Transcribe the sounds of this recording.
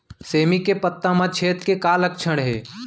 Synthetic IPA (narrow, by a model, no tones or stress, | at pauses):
seːmikepət̪ːãmãt͡ʃʰeːt̪kekaːlək̚t͡ʃʰəɽ̃ɦḛː